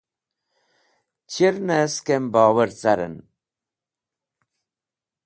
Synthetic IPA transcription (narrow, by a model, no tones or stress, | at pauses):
t͡ʃʰiɾnɛskembɑːwəɾt͡saɾɨ̰n